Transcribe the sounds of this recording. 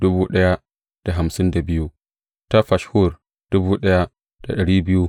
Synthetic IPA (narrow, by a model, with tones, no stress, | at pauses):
d̥ʊ˦buː˦ɗɐ˦ja˦ | d̥a˨ɦa˨msɪ˦nda˨bɪ˦ju˦ | ta˦ɸa˨ʃhu˦˨r | d̥ʊ˦buː˦ɗɐ˦ja˦ | d̥a˨ɗɐ˨ɽiː˦bɪ˦ju˦